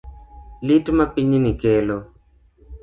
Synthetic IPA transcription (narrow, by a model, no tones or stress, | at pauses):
litmapiɲnikelo